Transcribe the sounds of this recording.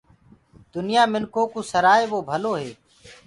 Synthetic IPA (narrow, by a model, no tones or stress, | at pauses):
d̪ʊnɪjaːmɪnkoːkũːsəɾaːeːɓoːbʱəloːɦeː